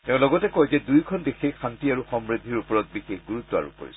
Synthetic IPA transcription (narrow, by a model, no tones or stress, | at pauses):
ttɛʊ̃lɔɡɔtɛkɔjzɛdujkʰɔnbexexʰantiaɹuxɔmɹid̪ʱːiɹupɔɹɔt̚bixexɡuɹutːɔa̰ɹṵko̰ɹḭsɔ̥